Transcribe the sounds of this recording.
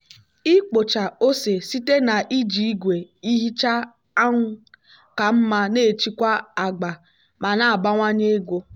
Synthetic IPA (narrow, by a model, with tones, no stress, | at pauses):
i˦k͡po˨t͡ʃa˨o˦se˨si˦te˦na˨ʔi˦d͡ʒi˨i˦ɡʷe˨i˦ɦi˦t͡ʃa˦ | a˦ŋʷʊ˦ | ka˨m̩˦ma˦ne˦˨t͡ʃi˦kʷa˦a˨ɡ͡ba˨ | ma˨na˨a˨ba˦ŋʷa˦ɲe˦ɡʷo˦